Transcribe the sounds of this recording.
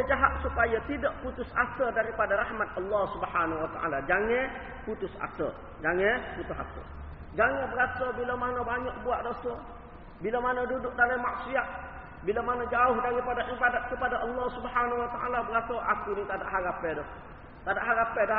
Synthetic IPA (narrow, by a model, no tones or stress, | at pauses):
əd͡ʒaɦat̪̚supajat̪idaʔput̪ʊsa̰sədaɾipadaɾahmat̪̚əlːɔhsubəhanwat̪a̰ʔa̰lad͡ʒaŋɛ̃ | put̪ʊsa̰sə̰ | d͡ʒaŋɛ̃put̪ʊsa̰sə̰ | d͡ʒaŋə̃bəɾasəbilamanəbaɲɔʔ̚buaʔdosə | bilamanədudʊʔ̚dalamaʔsiat | bilamanəd͡ʒaʊhdaɾipadaʔibadat̪̚kəpadaʔəlːɑhsubhanwat̪aʔa̰labəɾasəʔakunit̪ada̰ʔɦaɾapɛdɔh | t̪adaʔɦaɾapɛda